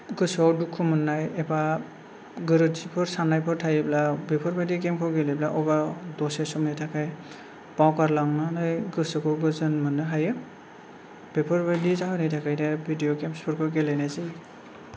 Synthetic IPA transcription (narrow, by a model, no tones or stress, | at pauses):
ɡɯsɔwdukʰːumɯnːajeba | ɡɯɾɯzipʰɔɾsanajpʰɔɾtʰajɯblabepʰɔɾbadik̬emkʰɯwɡeleblaʔɔbadɔsesɔmnajtʰakʰaj | b̥awkaɾlaŋnanajɡɯsɯkʰɔɡɯzɯnmɯnɯɦajɯ | b̥epʰɔɾbadizaɦɯnajtʰakʰajnabʱidijɔkemspʰɯɾkʰɯɡelajnajzij